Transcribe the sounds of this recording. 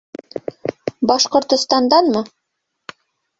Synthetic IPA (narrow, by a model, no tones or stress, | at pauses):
bɑʃqŏɾt̪ŏst̪ɑnd̪ɑnmɤ